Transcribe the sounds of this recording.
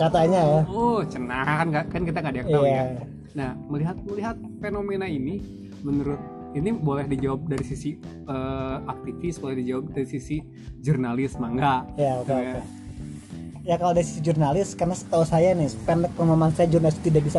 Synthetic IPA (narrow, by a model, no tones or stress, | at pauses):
kat̪aɲaaot͡ʃənakanɡakankit̪aŋadak̚a | nahməliɦat̪̚məliɦat̪̚fenomenaini | mənuɾʊt̪̚ | inibolɛhdid͡ʒawap̚daɾisisi | əak̚t̪ifisbolɛhdid͡ʒawap̚daɾisisi | d͡ʒurnalɪsmaŋɡaʔjaokeoke | jakalowadaisi̥sid͡ʒurnalɪskarnasə̥t̪ausajanɪpɛnɛkːəməmaŋsajad͡ʒurnalɪst̪idaʔbisa